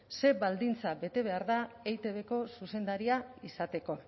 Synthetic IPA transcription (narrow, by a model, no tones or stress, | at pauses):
se̞βald̪int͡saβe̞t̪e̞βe̞aɾðaejt̪e̞βe̞ko̞suse̞nd̪aɾiaisat̪e̞ko̞